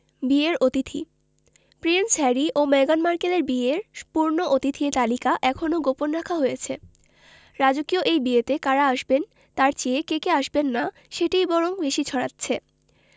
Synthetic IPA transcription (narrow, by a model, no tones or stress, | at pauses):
bieɾot̪it̪ʰḭ | pɾensɛɾiʔomɛɡanmaɾkeleɾbieɾpuɾnoʔot̪it̪ʰiet̪alikaʔɛkʰonoɡoponɾakʰaɦojet͡ɕʰe | ɾad͡ʑokioʔejbiet̪ekaɾaaʃben | t̪aɾt͡ɕeekekeaʃbenːa | ʃeʈijbɔɾombeʃit͡ɕʰɔɽatːɕʰe